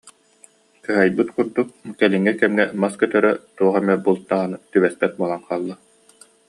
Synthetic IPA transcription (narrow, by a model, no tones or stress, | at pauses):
kɯɦajbɯt̪kuɾd̪ukkɛliŋːɛkɛmŋɛmaskœt̪œɾœt̪uɔχɛmɛbulˠt̪ːaʁanɯt̪yβɛspɛt̪̚buɔlˠanqaːlˠːa